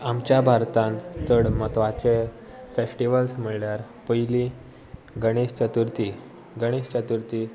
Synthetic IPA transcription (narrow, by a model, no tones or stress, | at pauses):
amt͡ɕjabʱaɾt̪ãnt̪t͡səɽmət̪ʋat͡ɕe | fesʈiʋəlsm̤əɭljaɾ | pəjli | ɡəɽ̃eɕt͡ɕət̪uɾt̪i | ɡəɽ̃eɕt͡ɕət̪uɾt̪i